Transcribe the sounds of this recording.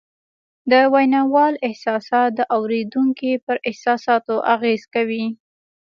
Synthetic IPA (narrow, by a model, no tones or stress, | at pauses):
d̪əwajnɑwɑlɪhsɑsɑt̪̚d̪əʔawɾed̪uŋkipəɾʔɪhsɑsɑt̪oʔaɣez̥kawi